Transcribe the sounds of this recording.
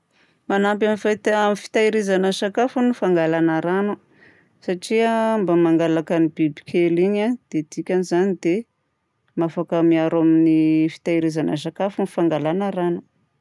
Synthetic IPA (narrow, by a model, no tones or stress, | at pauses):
manamp̬amifat̪amifi̥t̪ajɾizanəsakafunifaŋɡalanəɾanu | saʈ͡ʂiambamaŋɡalakənibibi̥kʲʰeliɲad̪̥ed̪ikʲanizanid̪̥e | mafakamiaɾaminifi̥t̪ajɾizanə̰s̬akafunifaŋɡalanəɾanu̥